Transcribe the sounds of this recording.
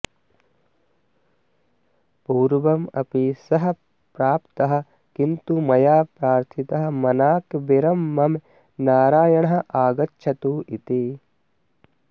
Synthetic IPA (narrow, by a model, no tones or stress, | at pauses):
puːɾʋɐmɐ̰pisɐɦɐ̆ | pɾaːpt̪ɐɦɐ̆ | kint̪umɐjaːpɾaːɾt̪ʰit̪ɐɦɐ̆mɐnaːkʋiɾɐmːɐm | naːɾaːjɐɳ̃ɐɦɐ̆ʔaːɡɐtːʃʰɐt̪uːʔit̪i